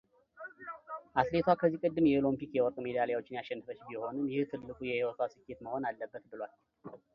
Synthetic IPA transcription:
ʔat̪le̞t̪ʰwakʰəzːikʼɨd̪ːɨmjɛolompikjɛwɔɾt̪ʼme̞d̪aljawo̞t͡ʃːɪnjaʃːɛnːɨfət͡ʃːbiho̞nɨmjɪht̪ʰɨlːɨkʼujɛhewɔt̪ʰasɨkːe̞t̪məho̞nalːəbːət̪bɨlwal

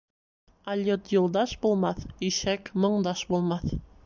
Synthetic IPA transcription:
ɐlʲot̪jŭlˠd̪ɑʃbulˠmɑθiʃækmŏɴd̪ɑʃbulˠmɑθ

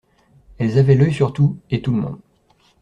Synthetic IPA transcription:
ɛlzavɛlœjsyʁt̪uet̪uləmɔ̰̃d̪

